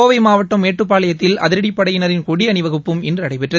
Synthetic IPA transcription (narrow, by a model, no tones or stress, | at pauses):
oːʋɐɪmaːʋɐʈːɐmːeːʈrɯp̬ːaːlɐjɐt̪ːɪlɐ̰ðɪɾɐɽɪpːɐɽɐjɪnɐɾɪnkɔɽiɐnɪʋɐɣɯpːɯmɛndrɯɐɽɐɪpɛʈrɐ